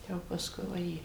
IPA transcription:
ˈjɛʊ pɐsˈkʊɪ ʋɐˈjeː

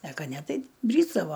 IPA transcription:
ɛ ˈkɐ ˈnʲɛ ˈtɐɪ ˈbʲrʲiːzdɐʋoː

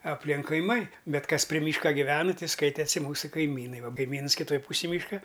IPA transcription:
ɐpʲˈlʲɪŋk kɐɪˈmɐɪ ˈbʲɛt ˈkɐs pʲrʲɪ ˈmʲiːʃkɐ ɡʲɪˈʋʲæːnɨ ˈtɐɪ ˈskɐɪtʲɛsʲɪ ˈmuːsʊ kɐɪˈmʲiːnɐɪ ˈʋɐ kɐɪˈmʲiːns kʲɪˈtoːj ˈpuːsʲɪj ˈmʲiːʃkɐ

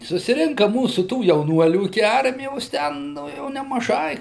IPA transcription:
sʊsʲɪˈrʲɪŋkɐ ˈmuːsʊ tuː jɛʊˈnuɔlʲuː ɪkʲɪ ˈɐrʲmʲɪjoːs ˈtʲɛn ˈnʊ jɛʊ nʲɛmɐˈʒɐɪ

